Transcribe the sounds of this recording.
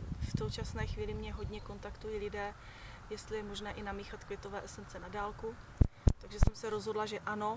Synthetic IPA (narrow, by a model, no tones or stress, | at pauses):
fsowt͡ʃasnɛːxviːlɪmɲɛɦo̞dɲɛko̞nt̪akt̪ujiːlɪdɛː | jɛst̪lɪjɛmoʒnɛːʔɪnamiːxat̪kvʲjɛt̪o̞vɛːʔɛsɛnt͡sɛnadaːlkut̪aɡʒɛsɛmsɛɾozɦo̞dlaʒɛʔano̞